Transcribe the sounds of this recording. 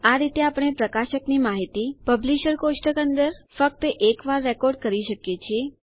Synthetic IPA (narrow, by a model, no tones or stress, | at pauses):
aɾit̪eapɳ̃epɾəkaʃəknimaɦit̪ipəbliʃəɾkosʈəkənd̪əɾfək̚t̪əʔekʋaɾːɛkɔɾɖkəɾiʃəkjet͡ʃʰie